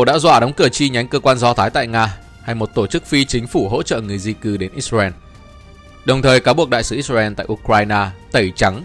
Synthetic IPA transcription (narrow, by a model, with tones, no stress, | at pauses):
ɗa̰ː˧˥zwa̰ː˧˩ɗɔ˨˦wŋ͡mkɨ˧˩ət͡ɕi˧ɲa˨˦jŋ̟kəː˧kwaː˧nzɔ˨˧˦t̪ʰaː˨˦jt̪a̰ː˧˨jŋaː˧ | ha˧jmo˨˩t̚t̪o˧˩t͡ɕɨ˦˥k̚fi˧t͡ɕï˨˦ŋ̟fu˧˩ɦo̰˧˥t͡ɕə̰ː˧˨ŋɨ˨˩əjzi˧kɨ˧˦ɗe˨˦nʔi˦˥t̚zaː˧ɛ˧n | ɗə˨˩wŋ͡mt̪ʰəː˨˩jkaː˨˦wɓu˨˩ək̚ɗa̰ː˧˨jsɨ˨˧˦ʔi˦˥za˧ʔɛ˧nt̪a̰ː˧˨ʔu˧kwaː˧jnaː˧t̪ə˧˩jt͡ɕa˨˦ŋ